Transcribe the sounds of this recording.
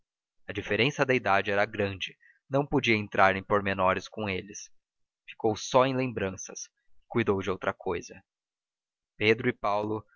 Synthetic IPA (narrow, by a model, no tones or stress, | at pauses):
ɐd͡ʒifeɾẽsɐd̪ɐid̪ad͡ʒɪɛɾɐɡɾɐ̃d͡ʒɪ | nɐ̃w̃pod͡ʒiɐẽnt̪ɾʔaɾẽj̃poɾmenɔɾɪskõelɪs | fi̥kowsɔẽj̃lẽmbɾɐ̃sɐ̰s | kujd̪owd͡ʒɪowt̪ɾɐkʰojzɐ | ped̪ɾʊɪpawlʊ